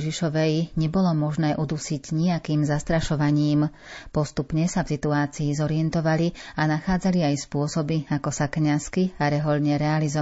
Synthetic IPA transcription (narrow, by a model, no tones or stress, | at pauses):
ʒiʃɔʋɛjɲɛbɔlɔmɔʒnɛːʔud̪usiɟɲiakiːmzast̪ɾaʃɔʋaɲiːm | pɔst̪upɲɛsafsit̪uaːt͡siːzɔɾiɛnt̪ɔʋalianaxaːd͡zaliajspʊɔsɔbiakɔsakɲaskiaɾɛɦɔlɲɛɾɛalizɔ